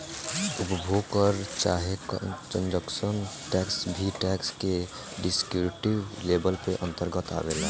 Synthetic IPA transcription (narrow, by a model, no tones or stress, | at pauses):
ʊpbʱoɡkəɾt͡ʃaːɦekkə̃nd͡ʒəkʃənʈɛːksbʱiʈɛːkske | ɖɪskjuːɾʈiʋleːbəlpeʔə̃nt̪əɾɡət̪a̰ʋela̰